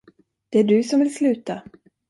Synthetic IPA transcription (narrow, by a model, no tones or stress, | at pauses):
d̪̥ɛæɖɵsɔmvɪlslʉ̟ːt̪a